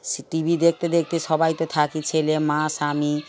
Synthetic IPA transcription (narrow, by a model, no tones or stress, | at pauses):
ʈibʱid̪ek̚ʰt̪ed̪ek̚ʰt̪esɔbajt̪ot̪ʰakit͡ɕʰelemãsami